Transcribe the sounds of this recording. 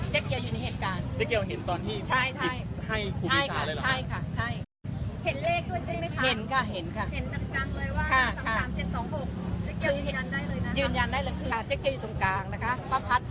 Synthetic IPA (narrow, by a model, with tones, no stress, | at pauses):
t͡ɕe˦˥kːi˧əjuː˨˩na˧˥jheː˨˩t̪̚kaː˧nt͡ɕa˧˥˩ki˧˨əwɦe˨˩˦nt̪ɔː˧nt̪ʰiː˥˩t͡ɕʰa˥˩jt͡ɕʰi˨˥˩jha˥˩jkʰu˨t͡ɕʰa˥˦˩jaːa˦˩lːt͡ɕʰa˥˩jkʰa˥˩t͡ɕʰa˥˩j | he˨˦nleː˥˩k̚du˥˩əjse˧˩ma˥˩jʰa˨he˨˦nkʰa˥˩ɦe˩˦nkʰa˥˩he˨˩˦nt̪a˨˩ŋkaː˧˩ŋluː˥˩əjwaː˥˩kʰa˥˩˨kʰa˥˩aː˩˦mt͡ɕe˨˩t̪̚sɔː˨˦ŋho˨˩k̚a˧˥˩kʰɯː˧he˨˩a˧ndaː˥˩jlɤː˧ja˥jɯː˧nja˧ndaː˥˩jlɤː˧jkʰɯ˧˩a˧˩t͡ɕe˦˥kːi˨˧juː˨˩t̪o˧˩ŋkaː˧ŋna˦˥kʰa˦˥paː˧˩pʰa˦˥t̪̚